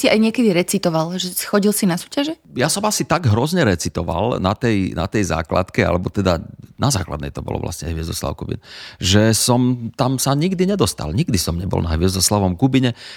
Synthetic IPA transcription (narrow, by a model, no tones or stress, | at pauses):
sia̰jɲɪɛkɛd̪iɾɛt͡sit̪ɔʋalʒɛxɔɟilsinasu̥ːcaʒɛjasɔmasit̪aɡɦɾɔzɲɛɾɛt͡sit̪ɔʋa̰lnat̪ɛjna̰t̪ɛjza̰ːkla̰t̪kɛa̰lɛbɔt̪ɛd̪anazaːkla̰d̪nɛ̰jt̪ɔbɔ̰lɔ̰ʋla̰sɲɛɦʋɪɛzɔsla̰ʊkubḭnʒɛsɔmt̪amsaɲiɡd̪iɲɛd̪ɔst̪a̰lɲiɡd̪isɔmɲɛbɔ̰lnaɦʋɪɛzɔslaʋɔmkubiɲɛ